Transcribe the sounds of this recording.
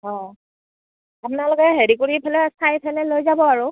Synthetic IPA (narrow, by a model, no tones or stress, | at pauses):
ɦɔ̃ | apʊnalʊkɛɦeɹikoɹipʰɛlɛsajpʰɛlɛlojzabɔaɹʊ